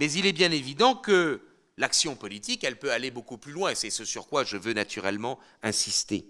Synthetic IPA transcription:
mɛzilɛbjɛ̃nevid̪ɑ̃kə | laksjɔ̃pɔlit̪ikɛlpøalebokuplylwɛ̃sɛsəsyʁkwaʒəvønat̪ʰyʁɛ̰lmɑ̃ | ɛ̃sist̪ḛ

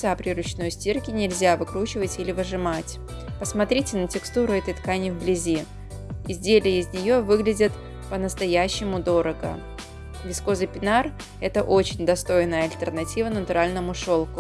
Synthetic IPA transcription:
sapɾʲɪɾʊt͡ɕno̞jsʲtʲirkʲɪnʲɪlʲzʲavɨkɾut͡ɕɪvətʲilʲɪvəʐɨmatʲ | pəsmɐt̪ɾʲitʲɪnətʲɪkst̪uɾʊɛt̪əjt̪kanʲɪvblʲɪzʲi | ɪzʲdʲelʲɪjəɪzʲnʲɪjo̞vɨɡlʲɪdʲɪt̪ | pənəst̪ɐjæɕːɪmʊd̪o̞ɾəɡə̰ | vʲɪsko̞zɨpʲɪnar | ɛt̪əʔot͡ɕɪnʲd̪ɐst̪o̞jɪnːəjəɐlʲt̪ʲərnɐtʲivənət̪ʊɾalʲnəmʊʂo̞lˠkʊ

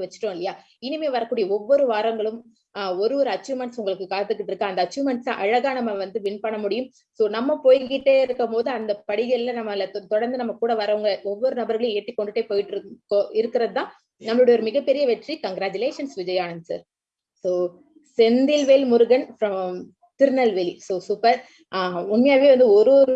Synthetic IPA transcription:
ʋɐt͡ʃːɯ̥ʈːõːɪlːɐjaː | ɪnɪmeːʋɐɾɐkːuːɽɪjɐɔʋːɔɾɯʋaːɾɐŋɡɐɭɯm | ɔɾɯʋɔɾɯɐt͡ʃːuːmɐɳʈsʊŋɡɐɭɯkːɯkaːt̪ːɯkːɪʈːɪɾɯkːɐ̃ːɐnd̪ɐt͡ʃːuːmɐɳʈsã̰ːʔɐɻɐɣaːnɐmːɐʋɐnd̪ɯʋɪnpɐɳːɐmʊɽɪjɯm | soːnɐmːɐpoːjɡɪʈːeːɪɾɯkːɐmpoːðɯɐnd̪ɐpɐɽɪɣɐlɪlɐnɐmːɐlɐt̪ɔɽɐɾnd̪ɯnɐmːɐkuːɽɐʋɐɾɐɐŋɡɐʔɔʋːɔɾɯnɐbɐɾɣɐɭjʊ̃eːʈːikːɔɳɖɯʈːeːpoːjɪʈːkːõɪɾɯkːɪɾɐðɯt̪ãː | nɐmːɐɭɯɽɐjɔɾɯmɪɣɐpːɛɾɪjɐʋɛʈrikɐŋɡɾaːd͡ʒʊleːʂɐnsʋɪd͡ʒɐjaːɳɐnsa̰ːɾ | soː | sɛnd̪ɪlʋeːlmʊɾɯɣɐnfɾɐm | t̪ɪɾɯnɐlʋelsoːsuːpːɐɾ | aʊɳmɪjaːʋeːʋɐnd̪ɯɔɾɯɾɯ

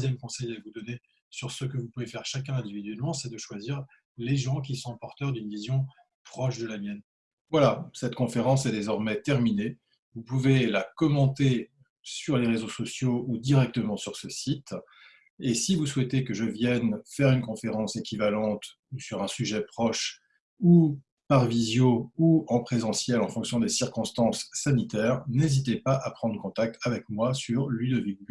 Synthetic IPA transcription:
zjɛmkɔ̃sɛjavud̪ɔne | syʁsəkəvupuvefɛʁʃak̬ʲɛ̃ɛ̃d̪ivid̪ɥɛlmɑ̃sɛd̪əʃwaziʁ | leʒɑ̃k̬ʲisɔ̃pɔʁt̪œʁd̪ynvizjɔ̃ | pχɔʃd̪əlamjɛn | vwalasɛt̪kɔ̃feʁɑ̃sɛd̪ezɔʁmɛt̪ɛʁmine | vupuvelakɔmɑ̃t̪e | syʁleʁezosɔsjoud̪iʁɛk̚t̪əmɑ̃syʁsəsit̪ | esivuswɛt̪ekəʒəvjɛnfɛʁynkɔ̃feʁɑ̃sekʲivalɑ̃t̪ | usyʁɛ̃syʒɛpχɔʃ | u | paʁvizjouɑ̃pχezɑ̃sjɛlɑ̃fɔ̃ksjɔ̃d̪esiʁkɔ̃st̪ɑ̃sːanit̪ɛːʁnezit̪̬epaʔapχɑ̃d̪ʁəkɔ̃t̪ak̚t̪ʰavɛkmwasyʁlyd̪əviɡ

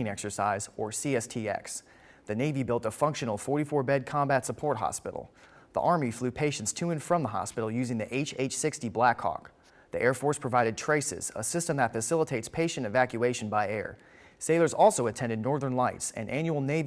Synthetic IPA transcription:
nɛksə˞sa̰ɪzə˞siɛstʰiɛ̰ks | ðɨneɪvibɪlˠtəfʌ̃ŋkʃɨ̃nl̩ˠfɔɹɾifɔɹbɛd̚kʰɑ̃mbætsəpʰɔɹt̚ɦɑ̰spɪ̰ɾl̩ˠ | ðḭʔɑɹmiflʉpʰeɪʃn̩tstʰʉɨ̃nfɹʌ̃mðəɦɑ̰spɪɾl̩ˠjʉzɪ̃ŋðiʔeɪt͡ʃeɪt͡ʃsɪkstiblækʰːɑ̰k | ðiʔɛɹfɔɹspʰɹ̥ɨvaɪɾɨd̚tʰɹ̥eɪsɪ̰z̥ə̰sɪstɨ̃mðətfɨsɪlˠətʰeɪtspʰeɪʃɨ̃ñɨvækjʉeɪʃɨ̃n̩baɪɛ̰ɹ | seɪlˠə˞zɔlˠsoʊɨtʰɛ̃ndɨdⁿnɔɹðə̃˞nlaɪtsɨ̰̃nʔæ̃njul̩ˠneɪ

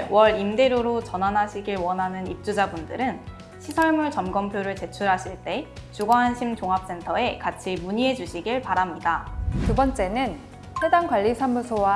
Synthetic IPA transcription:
wʌɾimde̞ɾjoɾot͡ɕʌnɦanɦaɕʰiɡiɭwʌnɦanɯnip̚t͡ɕ͈ud͡ʑabundɯɾɯn | ɕʰisʰʌɭmuɭt͡ɕʌmɡʌmpʰjoɾɯɭt͡ɕe̞t͡ɕʰuɾɦaɕʰiɭt͈e̞t͡ɕuɡʌɦanɕʰimt͡ɕoŋɦap̚s͈e̞ntʰʌe̞kat͡ɕʰimuɲiɦe̞d͡ʑuɕʰiɡiɭpaɾamɲidatubʌnt͡ɕ͈e̞nɯn | se̞daŋɡwaʎːisʰamusʰowa

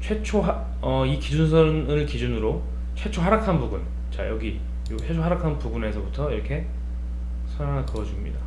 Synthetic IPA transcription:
t͡ɕʰwe̞t͡ɕʰoɦa | ʌikid͡ʑunsʰʌnɯɭkid͡ʑunɯɾo | t͡ɕʰwe̞t͡ɕʰoɦaɾakʰanpubun | t͡ɕa̰jʌɡi | jot͡ɕʰet͡ɕʰoɦaɾakʰanpubune̞sʰʌbutʰʌiɾʌkʰe̞ | sʰʌɭanakɯʌd͡ʑumɲḭda

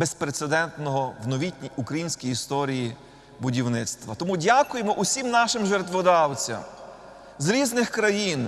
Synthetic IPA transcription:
bespɾet̪sed̪ɛnt̪nɔɦɔwnɔʋʲitʲnʲiʊkɾɐjinʲsʲkʲijist̪ɔɾʲiji | bʊdʲiwnɪt̪st̪ʋɐt̪ɔmudʲakʊjemɔʔʊsʲimnɑʃɪmʒert̪ʋɔd̪ɑwt͡sʲɐ̰m | zɾʲiznɪxkɾɐjin

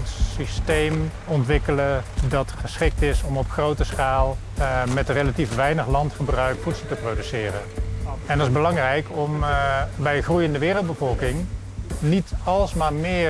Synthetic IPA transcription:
tsistejm | ɔntʋɪkələdɑtχəsχɪk̚tɪsɔmɔpχrowtəsχaːlˠ | mɛtrejlatifʋɛjnəχlɑntχəbrœɥkfutsəl̩ˠtəprowdysɪːrə̰nɛndɑtɪzbəlɑŋrɛjkɔmbɛjχrujəndəʋɪːrəlˠd̚bəvɔlˠkɪŋ | nitɑlˠsmaːɹmɪː

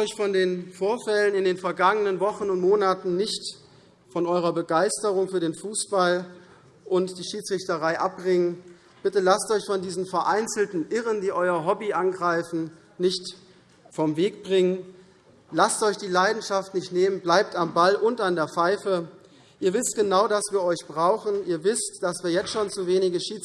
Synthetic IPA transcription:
ɔʏçfɔndeːnfoːɐfɛlənɪndeːnfɛɐɡaŋənənvɔχn̩ʊntmoːnatn̩nɪçt | fɔnʔɔʏʁ̞ɐbəɡaɪstəʁʊŋfyːɐdeːnfuːsb̥al | ʔʊntd̥iːʃiːt͡sʁ̥ɪçtəʁaɪʔap̚bʁɪŋən | b̥ɪtəlastɔʏçfɔndiːzəmfɛɐʔaɪnt͡sl̩tn̩ʔɪʁəndiːʔɔʏɐɦɔbiʔanɡʁaɪfn̩ | nɪçt | fɔmveːk̚b̥ʁɪŋən | lastʔɔʏçd̥iːlaɪdn̩ʃaftnɪçtneːmənblaɪp̚tambalʔʊntandeːɐfaɪfə | ʔiːɐvɪst̚ɡ̥ənaʊdasv̥iːɐɔʏçb̥ʁaʊxn̩iːɐvɪstd̥asv̥iːɐjɛt͡stʃoːnt͡suveːnɪɡəʃiːt͡s

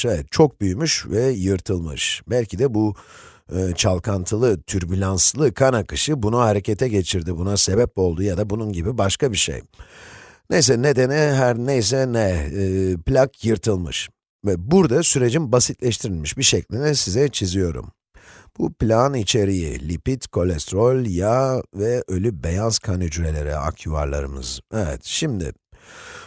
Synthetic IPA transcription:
ɛvɛt̪̚t͡ʃʰo̞k̚byjymyʃvɛjɯɾt̪ʰɯlˠmɯ̰ʃbælʲcʰid̪ɛbu | ɯːt͡ʃʰalˠkʰant̪ʰɯlˠɯt̪ʰyɾbylʲanslˠɯkʰanakɯʃɯbunuhaɾe̞cʰe̞t̪ʰɛɟe̞t͡ʃʰiɾd̪ibunase̞bɛpo̞lˠd̪ujad̪abununɟibibaʃkabiʃḛj | nejs̬ɛne̞d̪e̞niɦæɾnejs̬ɛnɛː | plʲakʰjɯɾt̪ʰɯlˠmɯ̰ʃ | vɛbuɾd̪asyɾe̞d͡ʒinbasit̪lʲɛʃt̪ʰiɾilʲmiʃbiʃɛclʲinɛsizɛt͡ʃʰizijo̞ɾṵm | b̥uplʲanit͡ʃʰe̞ɾijḭlʲipit̪kʰo̞lʲɛst̪ɾo̞lʲjavɛʔø̞lʲybejanskʰanyd͡ʒɾe̞lʲe̞ɾɛ̰a̰kʰuva̰ɾlˠa̰ɾɯmɯ̰z̥ɛvɛ̰t̪ʃimd̪ɪ̰

